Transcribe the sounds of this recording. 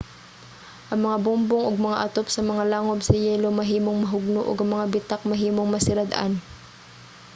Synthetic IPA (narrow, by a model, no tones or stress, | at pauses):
ʔɐŋmɐŋabʊmboŋʔoɡ̚mɐŋaʔɐt̪op̚sɐmɐŋalaːŋobsɐjɛːlo̞mɐɦiːmo̞ŋmɐɦʊɡ̚noʔo̰ɡɐŋmɐŋabɪt̪ak̚mɐɦiːmo̞ŋmɐsɪɾɐd̪ʔa̰n